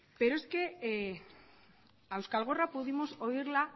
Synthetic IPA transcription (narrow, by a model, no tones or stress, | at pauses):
pe̞ɾoe̞ske̞ | awskalɣ̞o̞rapuðimo̞so̞iɾla